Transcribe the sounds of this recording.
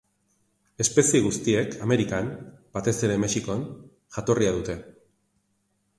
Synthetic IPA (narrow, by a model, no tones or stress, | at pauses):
e̞spe̞sieɣ̞ust̪ie̞kʰame̞ɾikambat̪e̞se̞ɾe̞me̞ʃiko̞n | ʝat̪o̞riaðut̪e̞